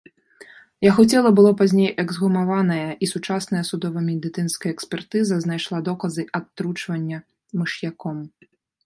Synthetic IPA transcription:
jaɣɔt͡sʲɛlˠɐbɨlˠɔpazʲnʲejʔɛɡzɣumavanɐjɐʔisut͡ʂasn̪ɐjɐsud̪ɔvɐmʲɛd̪ɨt̪sɨnskɐjɐɛksʲpʲɛrt̪ɨzɐznajʂlˠad̪ɔkɐzɨʔɐt̪ːɾut͡ʂvɐnʲːɐ | mɨʂjakɔm

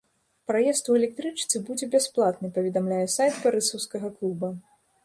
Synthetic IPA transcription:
pɾajɛst̪uɛlʲɛk̚t̪ɾɨt͡ʂt̪sɨbud͡zʲɛbʲasplˠat̪nɨpɐvʲɛd̪amlʲajɛsajt̪̚baɾɨsɐwskɐɣɐklˠubɐ

